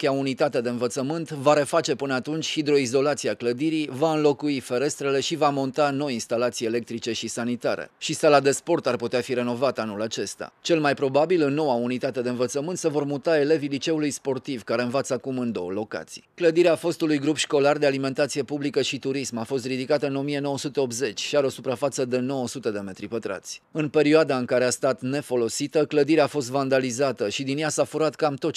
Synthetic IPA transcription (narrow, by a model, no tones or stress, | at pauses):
kʲeaunit̪at̪e̞d̪e̞ɨnvət̪səmɨnt̪vaɾe̞fat͡ʃe̞pɨnəat̪unt͡ʃʲhid̪ɾo̞izo̞lat̪siakləd̪iɾivaɨnlo̞kuife̞ɾe̞st̪ɾe̞le̞ʃivamo̞nt̪ano̞jinst̪alat̪sijele̞k̚t̪ɾit͡ʃe̞ʃisanit̪aɾḛʃisalad̪e̞spo̞rt̪arput̪eafiɾe̞no̞vat̪anulat͡ʃe̞st̪a̰t͡ʃe̞lmajpɾo̞babilɨnːo̞waunit̪at̪e̞d̪e̞ɨnvət̪səmɨnt̪se̞vo̞rmut̪ae̞le̞vilit͡ʃe̞ulujspo̞rt̪ivkaɾe̞ɨnvat̪səakumɨnd̪o̞̰wə̰lo̞ka̰t̪si̥̰jkləd̪iɾeafo̞st̪ulujɡɾupʃko̞lard̪ealime̞nt̪at̪sijepublikəʃit̪uɾismafo̞st̪rid̪ikat̪əɨno̞mie̞no̞wəsut̪e̞o̞pze̞t͡ʃʲʃiaɾeo̞supɾafat̪səd̪e̞no̞wəsut̪e̞d̪e̞me̞t̪ɾipət̪ɾa̰t̪sʲɨnpe̞ɾioad̪aɨŋkaɾe̞ast̪at̪ne̞fo̞lo̞sit̪əkləd̪iɾeafo̞st̪vand̪alizat̪əʃid̪injasafuɾat̪kamt̪o̞tt͡ʃ